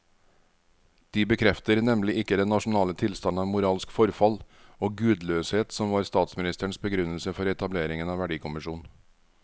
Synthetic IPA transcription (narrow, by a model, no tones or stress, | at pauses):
d̪̥iːbəkʰɾɛft̪əɾnɛmlɪʔɪkːəd̪ɛnnɑʃn̩ɑːlət̪ʰɪlst̪ɑnɑːʋmʊɾɑːlskfɔɾfɑl | oːɡʉːd̪løːsheːt̪sɔmʋɑːɾst̪ɑːt̪smɪnɪst̪əɳsbəɡɾʉnəlsəfɔɾɛt̪ɑbleːɾɪŋənɑːʋæɖiːkʰʊmɪʂuːn̩